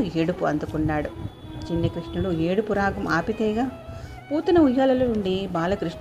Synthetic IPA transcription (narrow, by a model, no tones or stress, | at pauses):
eːɽupuɐnd̪ukunːaːɽu | t͡ʃinːɐkɾiʂnɐlueːɽupuɾaːɡɐmaːpit̪ɛːɡaː | puːt̪ɐnɐujːaːlɐlonuɳɖibaːlɐkɾiʂ